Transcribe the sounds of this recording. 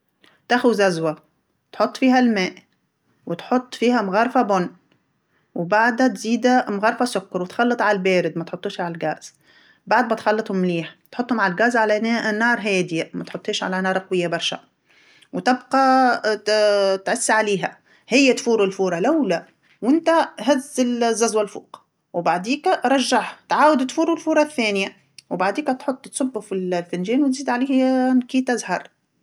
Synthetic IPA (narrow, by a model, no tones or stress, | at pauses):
t̪æxʊzæzwæ | t̪ħot̪ˤːfiːɦælmæːʔ | wɪt̪ħot̪ˤːfiːhæmɣɑɾˤfæbʊnː | wbaʕd̪hæt̪ziːd̪æmɣɑɾˤfæsʊkːɑɾwɪt̪xɑlːɨt̪ˤʕalælbæːɾɪd̪mæt̪ħot̪ˤːuːʃʕalælɡæːz̥ | baʕd̪̚mæt̪xɑlːɨt̪ˤhʊmːliːħt̪ħot̪ˤːhʊmʕalɡæːzʕalænːɑːɾˤɦæːd̪jamæt̪ħot̪ˤːheːʃʕa̰lænɑːɾˤɑqɑwɪjːabɑɾˤʃæ̰ | wt̪ɪbqɑ | t̪ʕʊsːʕaliːɦæ | hɪjːæt̪fuːɾʊlfuːɾˤɑlæwlæ | wɪnt̪æɦæzɪlzːæzwælfṵːqɑ̥ | wbaʕd̪iːkæɾˤɑʒːaħt̪ʕaːwɪd̪t̪fuːɾulfuːɾˤɑθːæːnja | wbaʕd̪iːkæt̪ħot̪ˤːt̪sˤʊbːufillfɪnʒɛːnwt̪ziːd̪ʕaliːhnkiːt̪ɪzhɑɾˤ